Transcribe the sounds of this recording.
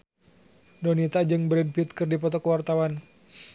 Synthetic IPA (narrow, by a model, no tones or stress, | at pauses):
dɔnit̪ad͡ʒɨŋbɾɛd̚pit̪̚kɨrdipɔt̪ɔkəwart̪awan